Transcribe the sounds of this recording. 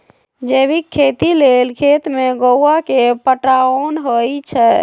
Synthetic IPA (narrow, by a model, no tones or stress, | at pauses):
d͡ʒebikʰːet̪ilelkʰet̪meɡowakepəʈɾaonɦojt͡ʃʰɛ